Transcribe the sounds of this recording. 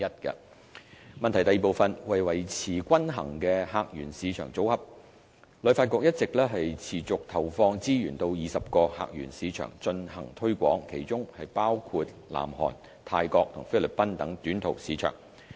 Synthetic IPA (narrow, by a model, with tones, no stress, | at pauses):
ɐ˥t̚kɐ̰˧ | mɐ˨nt̪ʰɐ˨˩jt̪ɐ˨jiː˨po˨wfɐ˨nwɐ˨˩jwɐ˨˩jt͡sʰiː˨˩kʷɐ˥nɦɐ̰˨˩ŋkɛː˧haː˧k̚jyː˨˩nsiː˨˧t͡ʃʰœː˨˩ŋt͡so˨˥whɐ˨˩p̚ | lɵ˨˧˥faː˧t̚kʷɔː˧k̚jɐ˥t̚t͡sɪ˨k̚lɛː˥ɦɐ˨jt͡sʰiː˨˩t͡sʊ˨k̚t̪ʰɐ˨˩wfɔː˧ŋt͡siː˥ɥyː˨˩nt̪o˧wjiː˨˩sɐ˨p̚kɔː˧ha̰ː˨k̚jy̰ː˨˩nsiː˨˧t͡ʃʰœ̰ː˨˩ŋt͡ʃɵ˧nhɐ̰˨˩ŋt̪ʰɵ˥ɥkʷɔ̰ː˨˥ŋkʰe˨˩jt͡ʃʊ˥ŋhɐ˨jpaː˥wkʰuː˧t̚la̰ː˨˩mɦɔ̰ː˨˩n | t̪ʰaː˧jkɔː˧k̚t̪ʰʊ̰˨˩ŋfe˥jlɵ˨t̚pɐ˥nt̪ɐ˨˥ŋt̪yː˨˥nt̪ʰo˨˩wsiː˨˧t͡ʃʰœ̰ː˨˩ŋ